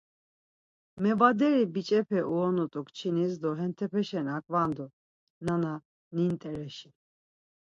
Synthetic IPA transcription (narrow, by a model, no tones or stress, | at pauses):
mɛvad̪ɛɾibit͡ʃʼɛpʰɛʔuɔnut̪ʼukʼt͡ʃʰinisd̪ɔɦɛnt̪ʰɛpʰɛʃɛnakʼvand̪u | nana | nint̪ʼɛɾɛʃi